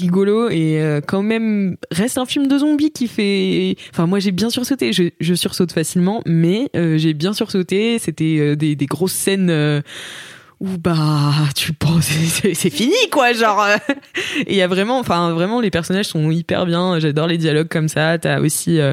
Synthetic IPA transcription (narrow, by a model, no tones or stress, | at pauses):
ʁiɡɔloeøkɑ̃mɛmʁɛst̪ɛ̃filmd̪əzɔ̃bikʲifɛɑ̃fɛ̃mwaʒebjɛ̃syʁsot̪eʒəʒəsyʁsot̪fasilmɑ̃mɛøʒebjɛ̃syʁsot̪eset̪ɛød̪ed̪eɡʁosːɛnø | ubat̪ypɑ̃ssɛsɛfinikwaʒɑ̃ʁø | ejavʁɛmɑ̃ɑ̃fɛ̃vʁɛmɑ̃lepɛʁsɔnaʒsɔ̃ipɛ̰ʁbjɛ̃ʒad̪ɔʁled̪jalɔɡ̚kɔmsat̪yao̰siø